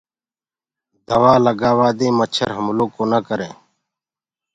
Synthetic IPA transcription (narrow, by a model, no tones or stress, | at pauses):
d̪əʋaːləɡaːʋaːd̪ẽːmət͡ʃʰə̰ɾɦəmloːkoːnaːkəɾẽː